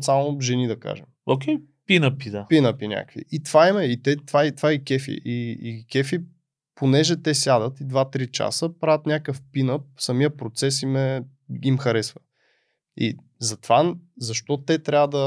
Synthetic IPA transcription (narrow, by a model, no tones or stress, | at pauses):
t̪samʊʒɛnid̪ɐka̰ʒɛmokʲɛ | pinəpid̪apinəpinʲa̰kvḭʔit̪v̥aimɛit̪ɛt̪vaɛt̪vaikɛfḭʔiikʲɛfi | ponɛʒɛt̪ɛsʲjad̪ət̪id̪vat̪ɾit͡ʃa̰səpɾavʲət̪nʲakəfpinəp̚sɐmijəpɾot̪sɛsimɛ | imxɐɾɛsvə | ḭ | zɐt̪vazɐʃt̪ɔt̪ɛt̪ɾʲavəd̪ɐ